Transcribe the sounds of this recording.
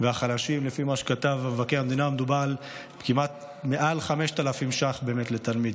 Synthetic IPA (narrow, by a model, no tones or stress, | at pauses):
veaχalaʃimlefimaʃe̥kat̪avamevakeamd̪inamed̪ubal | kimat̪̚ | meʔalχame̞ʃtalafimʃaχbe̞ːmet̪let̪almid̪